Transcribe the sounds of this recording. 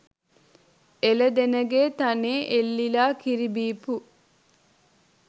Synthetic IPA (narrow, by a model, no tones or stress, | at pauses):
eləd̪enəɡeːt̪aneːʔelːilaːkiɾibiːpu